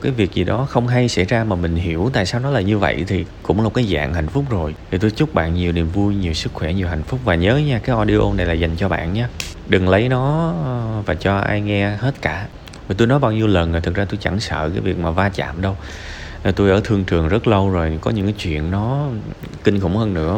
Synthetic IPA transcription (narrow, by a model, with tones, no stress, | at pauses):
kaː˨˦jvi˨˩ək̚zi˨˩ɗɔ˨˦xə˧wŋ͡mɦa˧jsa̰˧˥˩jzaː˧maː˨˩mï˨˩ŋ̟ɦi˧˩əwt̪a̰ː˧˨jsaː˧wnɔ˨˦laː˨˩ɲɨ˧və̰˧˨jt̪ʰi˨˩kʊ̰˧˥ŋ͡mlaː˨˩kaː˨˦jza̰ː˧˨ŋha˨˩jŋ̟fʊ˦˥k͡p̚zo˨˩jt̪ʰi˨˩t̪o˧jt͡ɕʊ˦˥k͡p̚ɓa̰ː˧˨nɲi˨˩əwni˨˩əmvu˧jɲi˨˩əwsɨ˦˥k̚xwɛ˧˩ɲi˨˩əwɦha˨˩jŋ̟fʊ˦˥k͡p̚vaː˨˩ɲəː˨˦ɲaː˧kaː˨˦jʔɔ˧ɗi˧ʔo̰˧na˨˩jlaː˨˩za˨˩jŋ̟t͡ɕɔ˧ɓa̰ː˧˨nɲaː˨˧ | ɗɨ˨˩ŋlə˨˦jnɔ˨˦ | vaː˨˩t͡ɕɔ˧ʔa̰ː˧jŋɛ˧he˦˥t̚kaː˧˩ | va˨˩t̪o˧jnɔ˨˦jɓaː˧wɲi˧wlə˨˩nːo˨˩jt̪ʰɨ˨˩k̚zaː˧t̪o˧jt͡ɕa˧˩ŋsə̰ː˧˨kaː˨˦jvi˨˩ək̚maː˨˩vaː˧t͡ɕa̰ː˧˨mɗə˧w | t̪u˧jʔəː˧˩t̪ʰɨ˧əŋt͡ɕɨ˨˩əŋzə˦˥t̚lə˧wzo˨˩jkɔ˨˦ɲɨ̰˧˥ŋkaː˨˦jt͡ɕwḭ˧˨ənːɔ˨˦ | kï˧nxʊ̰˧˩ŋ͡mhəː˧nːɨ̰˧˥ə